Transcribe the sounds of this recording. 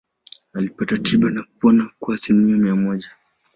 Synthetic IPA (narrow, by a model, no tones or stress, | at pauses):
alipatatʰiɓanakupɔnakuaːsilimiamiamɔʄa